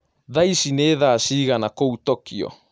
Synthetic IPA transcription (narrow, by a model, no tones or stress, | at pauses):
ðajsineːðaːsiːɣanakowt̪okḭo̰